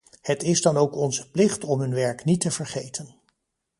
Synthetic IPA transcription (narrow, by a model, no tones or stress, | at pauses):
hətɪzdɑnowkɔnzəplɪχtɔmɦɵnʋɛɹknitəvəɹχejtʰən